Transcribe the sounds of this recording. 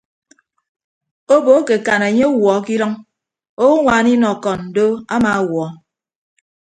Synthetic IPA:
o˦bo˨˦ke˨ka˨ne˨ɲe˦wɔ˨˦ki˦lɔ˦ŋ | o˦ŋʷaː˨ni˦nɔ˨kɔ˨n̩˨do˦a˦ma˨˦wɔ˨˦

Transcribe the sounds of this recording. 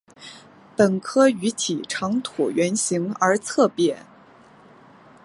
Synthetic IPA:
pə˨˩nkʰɤ˥y˧˥t̪ʰi˨˩ʈ͡ʂʰɑ˧˥ŋt̪ʰṵ˨˩ɥɛ˧˥nɕi˧˥ŋə˞˧˥t͡sʰɤ˥˧pjɛ˥˩

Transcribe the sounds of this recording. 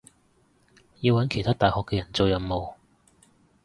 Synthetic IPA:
ji˧wɐ˨˥nkʰe˨˩jt̪ʰaː˥t̪aː˨jhɔː˨kːɛː˧jɐ˨˩nt͡so˨˧wjɐ˨˩mmo˨w

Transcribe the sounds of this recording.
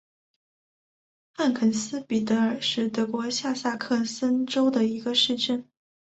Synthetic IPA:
xa˥˩nkʰə˨˩nsɹ̩˥pi˨˩t̪ɤ˧˥ə˞˨˩ʂɻ̩˥˩t̪ɤ˧˥kwɔ˧˥ɕja˥˧sa˥˧kʰɤ˥˩sə˥nʈ͡ʂo˥ʊd̪ə˨i˧˥ɡə˧ʂɻ̩˥˧ʈ͡ʂə˥˩n

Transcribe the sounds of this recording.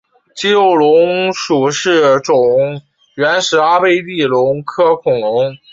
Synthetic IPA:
t͡ɕi˥jo˥˩ʊlʊ˧˥ŋʂu˨˩ʂɻ̩˥˩ʈ͡ʂʊ˨˩ŋ | ɥɛ˧˥nʂɻ̩˧˥a˥pe˥˧ɪt̪i˥˩lʊ˧˥ŋkʰɤ˥kʰʊ˨˩ŋlʊ˧˥ŋ

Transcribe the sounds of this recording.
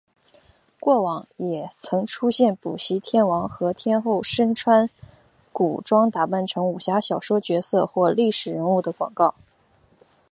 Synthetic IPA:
kwɔ˥˩wɑ˨˩ŋjɛ˨˩t͡sʰɤ˧˥ŋʈ͡ʂʰu˥ɕjɛ˥˩npṵ˨˩ɕi˧˥t̪ʰjɛ˥nwɑ˧˥ŋxɤ˧˥t̪ʰjɛ˥nxo˥˩ʊʂə˥nʈ͡ʂʰwa˥n | ku˨˩ʈ͡ʂwɑ˥ŋt̪a˨˩pa˥˩nʈ͡ʂʰɤ˧˥ŋu˨˩ɕja˧˥ɕjɑ˨˩ʊʂwɔ˥t͡ɕɥɛ˧˥sɤ˥˧xwɔ˥˧li˥˩ʂɻ̩˨˩ɻə˧˥nu˥˩d̪ə˩kwɑ̰˨˩ŋkɑ˥˩ʊ

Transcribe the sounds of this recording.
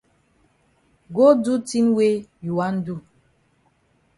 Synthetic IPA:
ɡo˦du˦ti˦nwe˦ju˨wa˦n̩˦du˦˨

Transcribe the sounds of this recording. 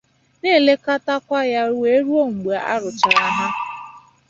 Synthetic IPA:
ne˦˨le˦ka˦ta˦kʷa˦ja˦ɾu˦e˦ɾu˦o˦˨ŋ͡m̩˨ɡ͡ba˨a̰˦ɾʊ˨t͡ʃa˨ɾa˦ɦa˦

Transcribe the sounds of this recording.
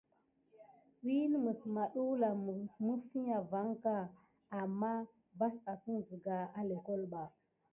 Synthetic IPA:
wi˦n˦mə˨sma˨ɗu˦wla˨mu˦fi˦ɲa˨va˨˦ŋka˨ | a˨mːa˦ | ba˦sa˨si˦nzi˨ɡa˨a˦le˨ko˦lɓa˨

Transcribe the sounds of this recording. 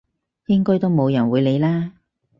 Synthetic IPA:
jɪ˥ŋkɔː˥jt̪o˥wmo˨˧wjɐ˨˩nwuː˨˧jle˨˧jlaː˥

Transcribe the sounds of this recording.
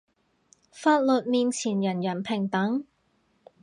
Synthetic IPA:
faː˧˥t̚lɵ˨t̚miː˧nt͡sʰiː˨˩njɐ˨˩njɐ˨˩npʰɪ˨˩ŋt̪ɐ˨˥ŋ

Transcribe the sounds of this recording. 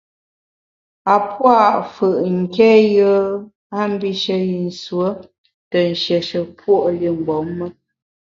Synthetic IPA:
a˨pwa˦˨ʔfə˨ʔŋ̩˨kɛ˦jə˦ | a˦m̩˦bi˦ʃə˦ji˨n̩˨swə˦ | tə˨n̩˨ʃɛ˨ʃə˨pwo˦ʔli˦˨ŋ͡m̩˨ɡ͡bɔ˨˦mːə˦

